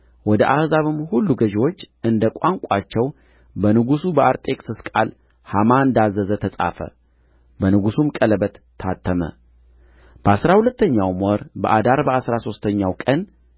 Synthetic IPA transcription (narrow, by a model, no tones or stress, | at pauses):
wɔd̪əʔahzaβɨmhulːuɡəʒwo̞t͡ʃːʔɨnd̪əkʷʼaŋkʷʼat͡ʃːɛw | bənɨɡusubəʔaɾt̪ʼe̞kʼsɨskʼal | hamaɨnd̪azːəzət̪ʰəsʼa̰fə̰ | bənɨɡusumkʼələbət̪ʰːat̪ːəmə̰ | b̥əasɾahulət̪ːəɲːawmɔɾbə̰ʔad̪aɾbəasɾaso̞st̪ʰəɲːawkʼən